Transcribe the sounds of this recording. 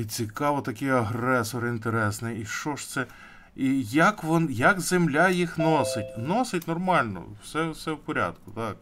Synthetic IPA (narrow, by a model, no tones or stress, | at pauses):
it͡sʲikɑʋɔt̪ɐkɪjɐɦɾɛsɔɾint̪eɾɛsnɪiʃt͡ʃɔʃt̪sɛ | ijɐkʋɔnjɐkzemlʲajixnɔsɪtʲnɔsɪtʲnɔrmɑlʲnɔ̰wsɛsɛwpɔɾʲa̰d̪kʊt̪ɑk̚